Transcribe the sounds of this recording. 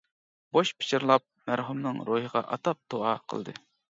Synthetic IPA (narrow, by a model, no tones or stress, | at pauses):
boʃpʰɪ̥t͡ʃʰiɾlˠɑp̚mæɾɦumnɨŋɾoɦəʁɑ̰ʔɑt̪ɑp̚d̪̥oɑqʰə̰lˠd̪ɨ̰